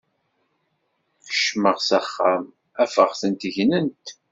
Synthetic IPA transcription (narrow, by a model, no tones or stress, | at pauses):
θə̥ʃməʁsæχːæm | æfəʁθənt̪əʝnənt̪